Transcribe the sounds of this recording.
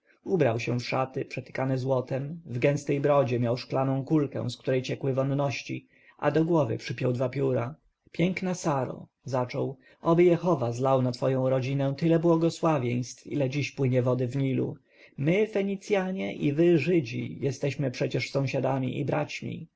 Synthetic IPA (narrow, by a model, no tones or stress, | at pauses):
ubɾawɕɛ̃fʂat̪ɘpʂɛt̪ɘ̥kanɘzwɔt̪ɛmvɡɛ̃ñst̪ɛjbɾɔd͡ʑɛmjawʂklanɔ̃w̃kulkɛ̰̃w̃skt̪uɾɛjt͡ɕɛkwɘvɔnːɔɕt͡ɕḭ | ʔa̰d̪ɔɡwɔvɘ̰pʂɘpʲjɔwd̪vapʲjuɾa | pʲjɛŋknasaɾɔ̰ | zat͡ʂɔw | ʔɔbɘjɛxɔvazlawnat̪fɔjɔ̃w̃ɾɔd͡ʑinɛ̃t̪ɘlɛbwɔɡɔswavʲjej̃st̪fḭlɛd͡ʑiɕpwɘɲɛvɔd̪ɘvɲilṵ | mɘfɛɲit̪sʲjaɲɛʔivɘʐɘd͡ʑḭjɛst̪ɛɕmɘpʂɛt͡ɕɛʂsɔ̃w̃ɕad̪amʲḭʔḭbɾat͡ɕmʲḭ